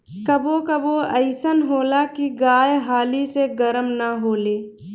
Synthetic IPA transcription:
kəbokəboəɪsənɦoːlakiɡaːjɦaːliseɡəɾəmnaɦoːleː

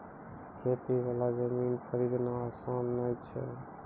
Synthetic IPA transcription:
kʰet̪ibalad͡ʒəminpʰəɾid̪nasəmnajt͡ʃʰɛ̰

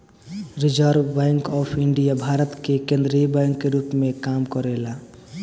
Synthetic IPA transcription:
ɾid͡ʒəɾʋbɛ̃ŋkɔːpʰiɳɖijabʱaɾət̪kekẽnd̪ɾibɛŋkːeɾupmẽkamkɔɾela

